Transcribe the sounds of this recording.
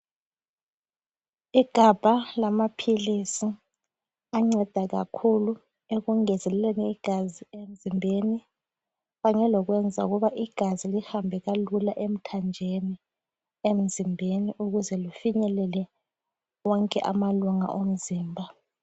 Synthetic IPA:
iɡ̥ʱab̥ʱalamapʰilisi | aŋ͡ǀɛd̥ʱaɣa̰kʰulu | eɣuŋɛzɛlɛleniːɡ̥ʱaziem̩zimbʱeni | βaŋɛlɔɣwɛnd͡zʱa̰uɣuβaʔiɡ̥ʱazilihambʱɛɣalulaʔem̩tʰand͡ʒʱeni | em̩zimbʱeniʔuɣuzɛlifiɲɛlɛlɛ | wɔŋkʼɛʔa̰maluŋa̰ʔom̩ziːmbʱa

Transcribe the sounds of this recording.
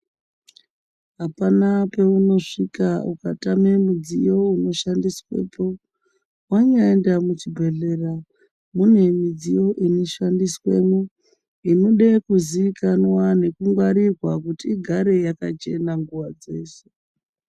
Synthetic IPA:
ɦapanape̞uno̞ʂikaukatame̞mud͡zijo̞uno̞ʃandiswḛːpʰo̞ | waɲaendamut͡ʃibʱe̞ɮe̞ra | mune̞mid͡zijo̞ʔiniʃandiswe̞ːmu | inoɗekuziʋikanwane̞kuŋɡwaɾirwakutiːɡʱaɾe̞jakat͡ʃe̞naŋɡuʋad͡ze̞ːse̥

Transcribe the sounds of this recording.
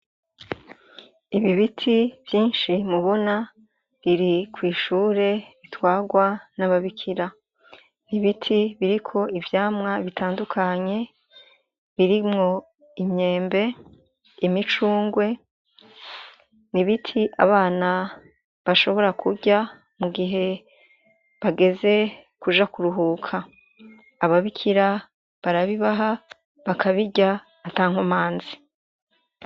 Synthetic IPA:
iβiβitʰiv̥jiːnʃimuβo̞na | βiɾikʰwiːʃuːɾe̞βitwaːɡwanaβaβikʰiɾa | niβitʰiβiɾikʰo̞ivjaːmŋaβitʰaːndukʰaɲe̞ | βiɾimŋo̞ | imɲe̞ːmbe̞ | imit͡ʃuːŋɡwe̞ | niβitʰiʔa̰βaːna | βaʃo̞βo̞ɾakʰuɟa | muɡiɦe̞ | βaɡe̞ze̞kuʒakuɾuɦukʰaː | βaβikʰiɾa | βaɾaβiβaɦa | βakʰaβiɟaː | taːŋ̥homaːnzi

